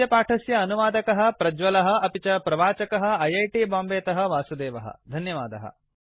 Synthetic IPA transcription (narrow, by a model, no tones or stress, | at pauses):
jɐpaːʈʰɐsjɐːnuʋaːd̪ɐkɐɦɐ̆pɾɐd͡ʒʋɐlɐɦɐ̆ɐpit͡ʃɐpɾɐʋaːt͡ʃɐkɐɦɐ̆ɐjɐjʈiːbaːmbeːt̪ɐɦɐ̆ʋaːsud̪eːʋɐɦɐ̰d̪ʱɐnjɐʋaːd̪ɐɦɐ̰